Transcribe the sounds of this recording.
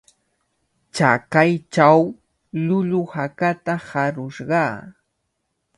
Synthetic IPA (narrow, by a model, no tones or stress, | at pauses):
t͡ʃakajt͡ʃaw | lʊlʊhakat̪ahaɾʊʃɢɑː